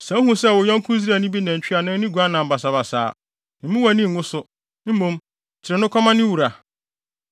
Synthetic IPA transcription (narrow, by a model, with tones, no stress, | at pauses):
sɛ̃˦hũ˦sɛ˦˨wʊ˨jɔ̃˦ŋ̩˦kʰʊ̃˦zi˦ɾa˨nĩ˦bi˦nã˨ɲ̩˨t͡ɕᶣi˦a˨nã˦nĩ˦ɡu˨a˦nã˨m̩˨ba˨sa˨ba˨sa̰ː˨˦ | ñ̩˨mũ˦wa˨nĩ˦˨ŋʊ̃˦sʊ˦ | m̩˦mũ˦m˨ | t͡ɕʰɪ˨ɾɛ˨nʊ̃˦kʰɔ˦mã˦nɪ̃˦wu˨ɾa˨